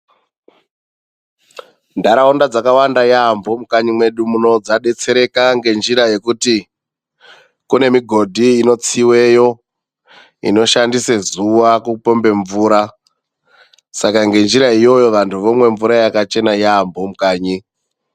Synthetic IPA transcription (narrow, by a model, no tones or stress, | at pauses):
ndaɾaundad͡zakawandajambo̞mukaɲimwe̞ɗumuno̞d͡zaɗe̞t͡se̞ɾe̞kaŋɡe̞nd͡ʒiɾaje̞kuti | kune̞miɡʱo̞dʱiːno̞t͡siwe̞jo̞ | ḭno̞ʃandisezuwakupo̞mbe̞ɱvuːɾa | sakaŋɡe̞nd͡ʒiɾaijo̞jo̞ʋantʰuʋo̞mwe̞ɱvuɾajakat͡ʃe̞najambo̞mukaːɲi